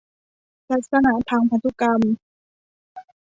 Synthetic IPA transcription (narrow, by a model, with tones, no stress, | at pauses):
laː˧k̪̚sa˧na˧˦t̪ʰaː˧ŋpʰa˧t̪ʰːu˧˥ka˧m